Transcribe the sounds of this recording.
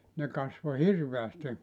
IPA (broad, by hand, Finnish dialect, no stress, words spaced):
ne kɑsʋo hirʋeæsti